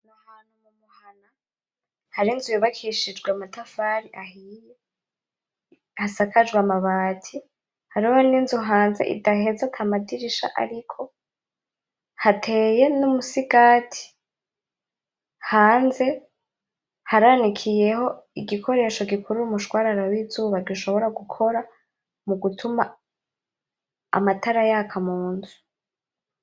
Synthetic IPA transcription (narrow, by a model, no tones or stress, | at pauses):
nahaːnhumumuhana | haɾinzujuβakʰiʃid͡ʒɡwamatʰafaːɾiʔahiːje | hasakʰad͡ʒɡwamaβaːtʰi | haɾihoninzuɦaːnzḛʔḭdahezatʰamadiɾiʃa̰ʔa̰ɾikʰo̞ | hatʰe̞ːje̞numusiɡaːtʰi̥ | haːnze̞ | haɾanikʰije̞ho̞iɡikʰo̞ɾe̞ːʃo̞ɡikʰuɾuumuʃɡwaːɾaɾawiːzuːβaɾɡuʃo̞βo̞ɾaɡukʰo̞ɾa | muɡutʰuma | a̰matʰaɾajakʰamuːnzu̥